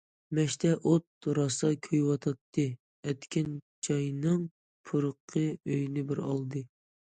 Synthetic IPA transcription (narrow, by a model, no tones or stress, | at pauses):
mɛʃt̪ʰɛʔot̪̚ɾɑsɑkʲʰøjwɑt̪ʰɑt̪ʰːɨ | ɛt̪kʲɪnt͡ʃʰɑjnɨŋ | pʰuɾəqʰːəøjnɪbɪɾɑ̰lˠd̪ɨ